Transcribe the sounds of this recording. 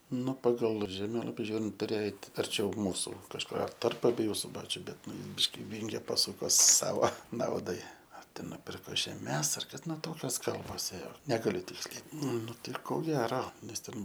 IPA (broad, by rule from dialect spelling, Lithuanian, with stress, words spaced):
ˈʊ pɐˈɡɐlˠ ʒʲɛˈmʲeːlˠɐpʲɪ ˈʒʲuːrʲɪnt tʊˈrʲeːjoː ˈɛɪt ɐrʲˈt͡ʃʲɛʊ ˈmuːsʊ kɐʃˈkʊr tɐrp ɐbʲɛˈjuː sʊˈbɑːt͡ʃʲʊ ˈbʲɛt ˈnʊ ˈbʲɪʃʲkʲɪ ˈʋʲɪŋʲɡʲɛ pɐˈsʊkoː ˈsɑːʋoː ˈnɐʊdɐɪ ɐr ˈtʲɛn nʊˈpʲɪrkoː ʒʲɛˈmʲɛs ɐr ˈkɐt ˈnʊ ˈtoːkʲoːs ˈkɐlˠboːs ˈeːjoː ˈnʲæːɡɐlʲʊ ˈtʲɪksʲlʲɛɪ ˈnʊ tɐɪ koː ˈɡʲæːroː nʲɛs ˈtʲɛn